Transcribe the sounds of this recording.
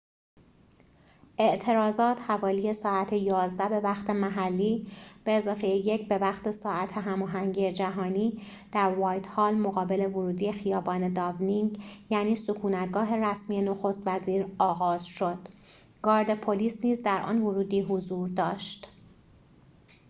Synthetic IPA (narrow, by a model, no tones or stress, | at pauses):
ʔe̞ʔt̪ʰe̞ɾɒːzɒːt̪ʰhævɒːliːje̞sɒːæt̪ʰe̞jɒːzd̪æbe̞væxt̪ʰe̞mæɦælːiːb̥e̞ːzɒːfe̞jejecʰbe̞væxt̪ʰe̞sɒːæt̪ʰeɦæmɒːɦæŋɟije̞d͡ʒæɦɒːniː | d̪̥æɾvɒːjt̪ʰhɒːlmoɣɒːbe̞le̞voɾuːd̪iːje̞xijɒːbɒːne̞d̪ɒvniŋɡjæːniːsokʰuːnæt̪ɡɒːɦe̞ɾæsmiːje̞no̞xost̪væziːɾɒːɣɒːzʃo̞d̪̥ | ɡ̥ɒːɾd̪e̞pʰoliːsniːzd̪æɾʔɒ̰ːnvoɾuːd̪iːɦozuːɾd̪ɒːʃt̪